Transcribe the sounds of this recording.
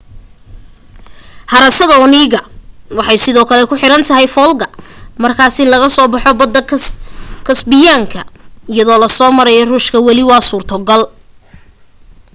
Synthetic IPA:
hɑɾɐsɐðɐɔniːɣɐwɑħɑjsɪðɔːkʰɐlɛkʰʊħɪɾɐnt̪ʰɐɦɛjfɔːlɡɐmɐrkʰaːsɪnlɐɣɐsɔːbɑħɔbɐd̪ɐ | kʰɐsbɪjaːŋkʰɐɪjɐðɔːlɐsɔːmɐɾɛjɔruːʃkʰɐwɑlɪwɑːsuːrt̪ʰɔɡɐl

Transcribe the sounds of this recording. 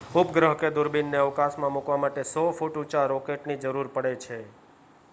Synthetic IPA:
upɡɾəɦked̪ʊɾbinːeəʋkasmãmukʋamaʈesɔfuʈut͡ʃaɾɔkeʈnid͡ʒəɾuɾpəɽet͡ʃʰe

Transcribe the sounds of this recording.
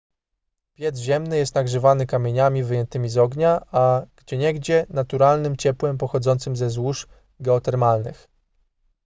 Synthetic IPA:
pʲjɛd̪zʑɛmnɘjɛst̪naɡʐɘvanɘkamʲjeɲamʲivɘjɛnt̪ɘmʲizɔɡɲaaɡ̥d͡ʑɛɲɛɡd͡ʑɛnat̪uɾalnɘmt͡ɕɛpwɛmpɔxɔd̪zɔnt̪sɘmzɛzwuʂ | ɡɛɔt̪ɛɾmalnɘ̰x

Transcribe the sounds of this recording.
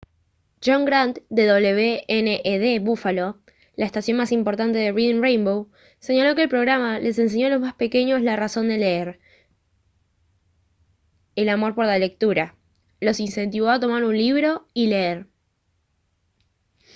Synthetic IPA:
d͡ʒo̞ŋɡɾant̪d̪e̞ðo̞βle̞βeeneʔeðeβufalo̞ | laest̪asjo̞nmasimpo̞ɾt̪ant̪e̞ðeriðnrejmbow | se̞ɲalo̞ke̞ːlpɾo̞ɣɾamale̞se̞ns̬e̞ɲo̞alo̞zmaspe̞ke̞ɲo̞slaraso̞nd̪e̞le̞eɾ | elamo̞ɾpo̞ɾlale̞k̚t̪uɾa | lo̞sinse̞nt̪iβoat̪o̞maɾunliβ̞ɾo̞ile̞eɾ

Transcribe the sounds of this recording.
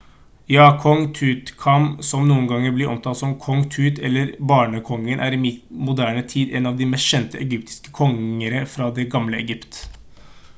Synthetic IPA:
jɑːkʰɔŋt̪ʰʉːt̪kʰɑmsɔmnuːənɡɑŋːəɾblɪʔɔ̰mt̪ʰɑːsɔmkʰɔŋt̪ʰʉːt̪ʰɛlːəɾbɑːɳəkʰɔŋːənʔæ̰ːɾɪmɪt̪mʊd̪æːɳət̪ʰiːd̪ɛnɑːʋd̪ɪmɛst̪ɕɛnt̪əʔɛɡʏp̚t̪ɪ̥skə̥kʰɔŋəɾəfɾɑːd̪ɛɡɑmləɛɡʏpt̪

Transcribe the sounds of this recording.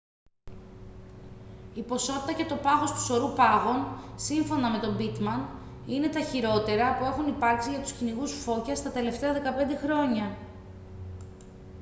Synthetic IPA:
ipo̞so̞t̪i̥t̪ɐce̞t̪o̞pɐɣo̞st̪u̥so̞ɾupɐɣo̞nsiɱfo̞nɐme̞t̪o̞bit̪mɐn | ine̞t̪ɐçiɾo̞t̪e̞ɾɐpue̞xunipɐɾksiʝɐt̪u̥sciniɣusfo̞cɐst̪ɐt̪e̞le̞ft̪e̞ɐðe̞kɐpe̞nd̪e̞xɾo̞ɲɐ

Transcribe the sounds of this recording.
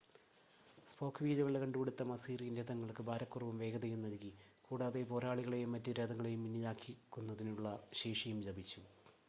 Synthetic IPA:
spo̞ːkʰːʋiːd͡ʑɐʋɐɭekɐɳɖuʋiɽut̪ːɐmɐsiːrijɐnded̪ɐŋːɐɭkɨbʱaːɾɐkːurɐʋumʋe̞ːɡɐðɐjumnɐlkːi | kuːɽaːðepo̞ːɾaːɭiɣɐɭejumːɐtːuɾeːd̪ɐŋːɐɭejumːinːɐjaːkːikːunːɐðinuɭːɐɕeːʂɐjumt͡ɕɐbit͡ɕːu

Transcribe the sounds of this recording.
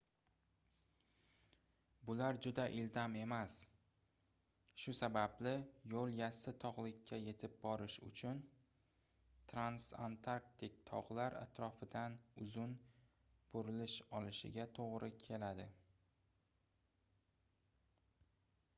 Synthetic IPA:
bʊlaɾd͡ʒʊd̪aʔɪld̪ame̞mas | ʃʊsabablɪjolˠjasɪt̪ʰɒʁlɪkʲʰːaje̞t̪ʰɪp̚bɒɾɪʃʊ̰t͡ʃʰʊn | t̪ʰɾansa̰nt̪ʰaɾkt̪ɪk̚ʲt̪ʰɒʁlaɾa̰t̪ʰɾɒfɪd̪anʊzʊn | b̥oɾɪlɪʃɒlɪʃɪ̰ɡʲat̪ʰoʁɾɪkʲʰe̞lad̪ɪ

